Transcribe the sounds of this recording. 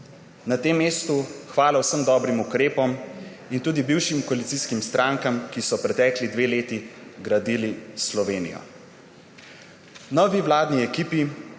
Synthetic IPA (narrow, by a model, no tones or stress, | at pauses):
nat̪eːmːeːst̪uxʋaːlawsəmd̪ɔːbɾimukɾeːpɔm | int̪uːd̪ibiwʃimkɔalit̪siskimst̪ɾʔaːŋkamkisɔpɾɛt̪ɛːklid̪ʋeːleːt̪iɡɾad̪ilislɔʋeːnḭjɔ̰ | nɔːʋiwlaːd̪niɛkiːpi